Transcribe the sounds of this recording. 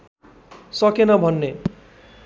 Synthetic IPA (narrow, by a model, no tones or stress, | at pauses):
sʌkenʌbʱʌnːe